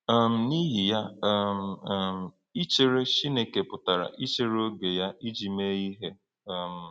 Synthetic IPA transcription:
m̩˨ni˦ɦi˨ja˦m̩˨˦˨m̩˨ | i˦t͡ʃe˨ɾe˦ʃi˦ne˨ke˨pʊ˨ta˨ɾa̰˨ʔi˦t͡ʃe˨ɾo˦ɡe˨ja˦i˦d͡ʒi˨me˦i˦ɦe˦˨ | m̩˨

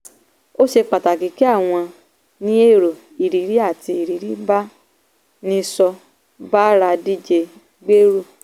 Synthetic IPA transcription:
o˦ʃe˧k͡pa˨ta˨ki˨˦ki˦a˦˨w̃ɔ̃˧ | nĩ˦e˦˨ɾo˨ | i˨ɾi˨˦ɾi˦a˦˨ti˧i˨ɾi˨˦ɾi˨˦ba˦ | nĩ˦sɔ˧ | ba˦ɾa˧di˦d͡ʒe˧ | ɡ͡be˦ɾu˦˨

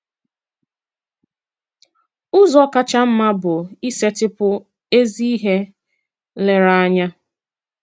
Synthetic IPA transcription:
ʊ˦zɔ˦ka˦t͡ʃa˦m̩˦ma˦bʊ˨i˦se˦tɪ˦pʊ˦ | e˦zi˦i˦ɦe˦ | le˨ɾa˨a˦ɲa˦

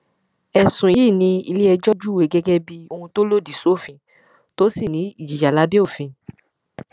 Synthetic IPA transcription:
ɛ˨sũ˨˦i˦˨nĩ˧ḭ˧le˦ɛ˧d͡ʒɔ˦d͡ʒu˦we˨˦ɡɛ˦ɡɛ˦bi˧o˧hũ˧to˦lo˦˨di˨so˨˦˨fĩ˧ | to˦si˦˨nĩ˨˦i˦˨d͡ʒi˨d͡ʒa˨la˨˦bi˦o˦˨fĩ˧

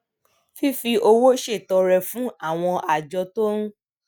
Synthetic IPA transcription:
fi˦fi˧ʔo˧wo˦ʃe˦˨tɔ˧ɾɛ˧fũ˦a˦˨w̃ɔ̃˧ʔa˨d͡ʒɔ˧to˦nũ˦

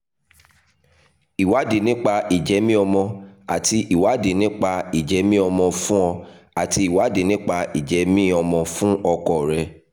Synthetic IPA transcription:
i˨wa˨˦de˨nĩ˦k͡pa˧i˨d͡ʒɛ˨˦mĩ˦ɔ˧mɔ̃˧a˨ti˧ʔi˨wa˨˦de˨nĩ˦k͡pa˧i˨d͡ʒɛ˨˦mĩ˦ɔ˧mɔ̃˧fũ˦ɔ˧a˨ti˧i˨wa˨˦de˨nĩ˦k͡pa˧i˨d͡ʒɛ˨˦mĩ˦ɔ˧mɔ̃˧fũ˦ɔ˧kɔ˨ɾɛ˧

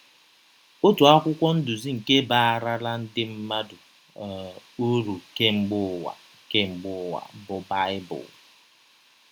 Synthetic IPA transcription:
o˦tu˨a˦kʷʊ˦kʷɔ˦n̩˦dʊ˨zi˦ŋ̩˨ke˦ba˦˨a˦˨ɾa˦la˦n̩˦dɪ˦m̩˦ma˦dʊ˨ | u˦ɾu˨ke˦ŋ͡m̩˦ɡ͡bʊ˦wa̰˨ | ke˦ŋ͡m̩˨ɡ͡bʊ˦wa̰˨˦bʊ˦ba˦ɪ˦bʊ̰˨l

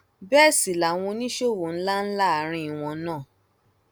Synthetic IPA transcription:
bɛ˦˨si˨la˨w̃ɔ̃˧nĩ˦ʃo˦˨wo˨n̩˦la˦n̩˦la˦a˨˧˦ɾ̃ĩ˧˦i˨w̃ɔ̃˧nãː˦˨

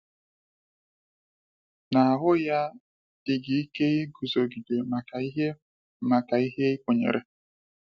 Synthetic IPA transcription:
na˨a˨ɦʊ˦ja˦ | ɪ˦ɡi˨i˦ke˦ɣɪ˦ɡu˨zo˨ɡi˨de˨ma˨a˨˦ɦe˦ | ma˨ka˨i˦ɦe˦ɪ˦ko˨ɲḛ˨ɾʔḛ˨

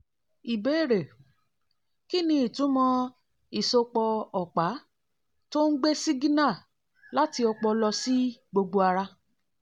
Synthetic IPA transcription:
i˨be˨˦e˦˨ɾe˨ | ki˦nĩ˧i˦˨tũ˨˦mɔ̃˧ | i˨so˧k͡pɔ˧ɔ˨k͡pa˨˦ | to˦n̩˦ɡ͡be˦si˦ɡi˦nã˦˨ | la˦ti˧ɔ˧k͡pɔ˧lɔ˧si˦ɡ͡bo˧ɡ͡bo˧a˧ɾa˧

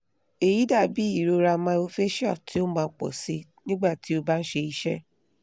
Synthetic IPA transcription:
e˨ji˨˦da˦˨bi˨˦i˦˨ɾo˧ɾa˧mã˧o˧fe˦ʃɔ˦˨tʰi˨˦o˦mãː˧˦k͡pɔ̰˨si˧˦nĩ˦ɡ͡ba˦˨ti˨˦o˧ba˦n̩˦ʃe˧i˧˦ʃɛ˦

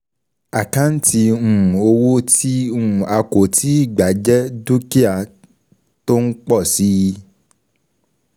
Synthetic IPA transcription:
a˨kã˦n̩˦tĩ˧˦˨o˧wo˦tʰi˦ũ˦˨a˧ko˨tʰi˦i˦˨ɡ͡ba˨˦d͡ʒɛ˦du˦ki˦a˧˨ | to˦n̩˦k͡pɔ˦˨si˦˧

